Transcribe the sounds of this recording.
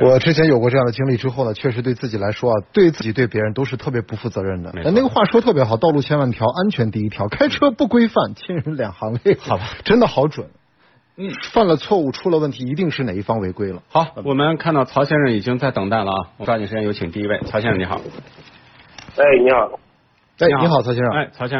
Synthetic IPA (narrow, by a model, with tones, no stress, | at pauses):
wɔ˨˩ʈ͡ʂɻ̩˥t͡ɕʰjɛ˧˥njo˨˩ʊkwɔ˧ʈ͡ʂɤ˥˧jɑ˥˩ŋd̪ə˩t͡ɕi˥ŋli˥˩ʈ͡ʂɻ̩˥xo˥˩ʊnə˩t͡ɕʰɥɛ˥˩ʂɻ̩˧˥we˥˧ɪt͡sɹ̩˥˩t͡ɕi˨˩la˧˥ɪʂwɔ˥ɐ˨t̪we˥˧ɪt͡sɹ̩˥˩t͡ɕi˨˩t̪we˥˩ɪpjɻə˧˥nt̪o˥ʊʂɻ̩˥˧t̪ʰɤ˥˩p̬jɛ˧˥pu˧˥fu˥˩t͡sɤ˧˥ɻə˥˩nd̪ə̰˩˧a˥˧ne˥˩ɡə˩xwa˥˩ʂwɔ˥t̪ʰɤ˥˩p̬jɛ˧˥xɑ˨˩ʊt̪ɑ˥˧ʊlu˥˩t͡ɕʰjɛ˥nwa˥˩nt̪ʰjɑ˧˥ʊʔa˥nt͡ɕʰɥɛ˧˥nt̪i˥˩i˥t̪ʰjɑ˥ʊkʰa˥ɪʈ͡ʂʰɤ˥pu˥˩kwe˥ɪfa˥˩nt͡ɕʰi˥nɻə˧˥nljɑ˨˩ŋxɑ˧˥ŋlɛ˥˩˧ʈ͡ʂə˥nd̪ə˨˩xɑ˧˥ʊʈ͡ʂwə̰˨˩˦n | fa˥˩nlə˩t͡sʰwɔ˥˧u˥˩ʈ͡ʂʰu˥lə˧wə˥˩nt̪ʰi˧˥i˧˥t̪i˥˧ŋʂɻ̩˥˩ne˨˩i˥˩fɑ˥ŋwe˧˥ɪkwe˥ɪlə˨xɑ˨˧˥ʊ˥wɔ˨˩mə˦nkʰa˥˧nt̪ɑ˥˩ʊt͡sʰɑ˧˥ʊɕjɛ˥nʂə˥˩ŋi˨˩t͡ɕi˥ŋt͡sa˥˩ɪt̪ɤ˨˩ŋt̪a˥˩nlə˩ɐ˩w̪i˨˩ʂ̩˥jɛ˥˧jo˧˥ʊt͡ɕʰi˨˩ŋt̪i˥˧i˥we˥˩ɪt͡sʰɑ˧˥ʊɕjɛ˥nɻə˥˩ni˧˥xɑ̰˨˩˦ | e˥˧˩ɪni˧˥xɑ˨˩˦ | e˥˩˧n˨i˧˥xɑ˨˩t͡sʰɑ˧˥ɕjɛ˥ə˥˧e˥˩t͡sʰɑ˧˥ʊɕjɛ˥˧˥